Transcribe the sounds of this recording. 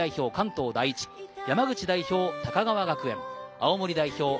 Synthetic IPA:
aiço̞ːkãnt̪o̞ːd̪ait͡ɕi̥jamaɡɯ̟t͡ɕid̪aiço̞ːt̪akaɡaβaɡakɯ̟ẽ̞̰ŋa̰omoɾʲid̪aiço̞ː

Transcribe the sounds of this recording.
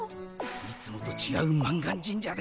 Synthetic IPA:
mʲit͡sɨmot̪ot͡ɕiɡa̰ɯmãŋɡaɲd͡ʑĩɲd͡ʑaɡ

